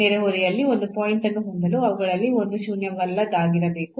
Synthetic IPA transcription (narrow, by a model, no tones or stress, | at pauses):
nɛɾeɦoɾijɐlːiond̪upoːjiɳʈɐnːuɦond̪ɐluɐʋɐɡɐɭɐlːiond̪uʃuːnjɐmɐlːɐd̪aːɡiɾɐbe̞ːku